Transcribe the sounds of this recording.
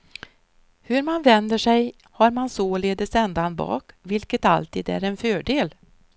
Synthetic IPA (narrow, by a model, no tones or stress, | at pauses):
hɵɾmanvɛnd̪əʂɛj | haɾmansoleːd̪əsɛnd̪anbɑ̰ːkvɪlkət̪a̰lt̪ʰḭːd̪æ̰ɾɛnfœːɖeːl